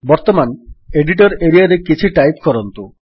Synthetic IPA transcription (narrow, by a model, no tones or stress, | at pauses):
bɔɾt̪omaneɖiʈ̬ɔɾeɾiaɾekit͡ʃʰiʈajpkɔɾɔnt̪u